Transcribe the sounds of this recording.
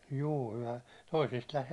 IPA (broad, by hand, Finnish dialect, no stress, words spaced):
juː kylhæ toisist